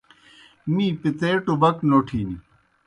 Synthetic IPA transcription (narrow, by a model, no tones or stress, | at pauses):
mipit̪eːʈubɐknoːʈʰiːni